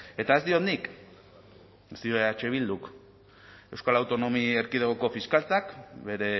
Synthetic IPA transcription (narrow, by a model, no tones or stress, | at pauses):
e̞t̪ae̞zd̪io̞nik | ezd̪io̞eat͡ʃe̞β̞ild̪uk | e̞wskalawt̪o̞no̞mieɾkið̞eɣoko̞fiskalt͡sakbe̞ɾe̞